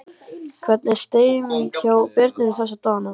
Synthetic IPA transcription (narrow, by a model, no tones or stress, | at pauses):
kʰvɛt̪nɛɾ̥st̪eːjʏmincʰaːwpɪɾt̪nɪðɪθɛs̬at̪ɔːna